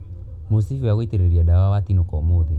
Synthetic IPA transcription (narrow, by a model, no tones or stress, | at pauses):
mosifiaɣoiteɾeɾiadawawatinɔkɔmoði